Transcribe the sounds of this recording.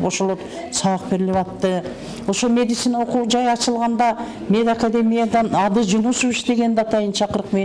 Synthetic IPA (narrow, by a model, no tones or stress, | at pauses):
boʃolˠot̪ | sɑq̚beɾɪleβɑt̪ːə | wo̞ʃolˠme̞d̪it̪sijnawo̞quwd͡ʒɑjɑt͡ʃəlˠʁɑnd̪ɑ | me̞d̪akad̪e̞mijɑd̪ɑnɑd̪əd͡ʒʊnusuʏʃt̪e̞ɡʲe̞nd̪ɑt̪ɑjənʃʰɑqəɾəqme